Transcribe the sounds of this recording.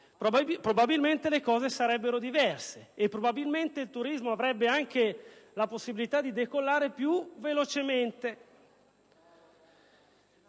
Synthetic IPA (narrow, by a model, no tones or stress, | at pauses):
ppɾobabilment̪elekɔːzesaɾɛbːeɾod̪ivɛrseːpːɾobabilment̪eilt̪uɾizmoavɾɛbːeaŋk̟elaposːibilit̪ad̪id̪ekolːaːɾepjuvelot͡ʃement̪e